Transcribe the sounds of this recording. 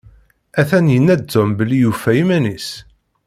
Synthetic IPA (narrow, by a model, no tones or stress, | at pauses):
æθænjənːæzʊmbəlːijufːæjimænis